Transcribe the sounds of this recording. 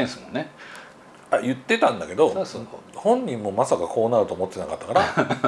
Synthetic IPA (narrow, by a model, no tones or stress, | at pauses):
ẽɰ̃sɨmõnːe | ajɯ̟t̪ːe̞t̪ãnd̪ake̞d̪o̞sono̰hõ̞ɲ̟ɲːĩmːo̞masakakʰo̞ːnaɾɯ̟t̪oːmo̞t̪ːtenakat̪ːakaɾa